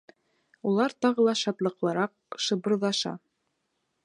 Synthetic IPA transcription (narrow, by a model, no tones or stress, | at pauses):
ulˠɑɾt̪ɑʁɤ̆lˠɑʃɑt̪lˠɤ̆qlˠɤ̆ɾɑq̚ | ʃɤ̆bɤ̆ɾðɑʃɑ̰